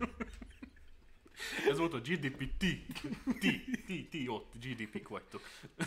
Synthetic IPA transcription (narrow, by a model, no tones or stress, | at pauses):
ɛzmot̪od͡ʒid̪ipit̪it̪it̪it̪iot̪ːd͡ʒid̪ipikwɛt̪ːo